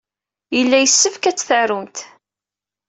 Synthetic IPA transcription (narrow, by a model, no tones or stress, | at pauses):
jəlːæjəsːəfkæt͡sːθərunt̪